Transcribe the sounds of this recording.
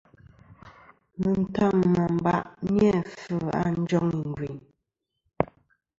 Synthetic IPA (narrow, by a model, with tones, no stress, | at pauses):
mə˨n̩˦ta˦˨ŋ˨mɔ˨m˦ba̰˦˨ʔɲjɛ˦˨fə˦˨ʔa̰˦n̩˦d͡ʒɔ˦ŋi˨ŋ˨ɡwi˨ɲ